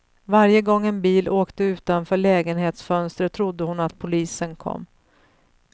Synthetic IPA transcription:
vaɾjəɡɔŋːɛnbiːlʔoːkt̪əʉ̟ːt̪anfœːɭɛːɡənheːt̪sfœnst̪ɾət̪ʰɾʊd̪ːəhʊnat̪̚pʰʊliːsənkʰɔ̰mː

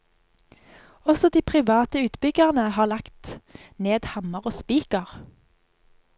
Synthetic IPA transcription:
ɔsɔd̪iːpʰʁɪʋɑːt̪əʉːt̪bʏɡəʁnəhɑːʁlɑkt̪neːd̪hɑməʁoːspiːkəʁ

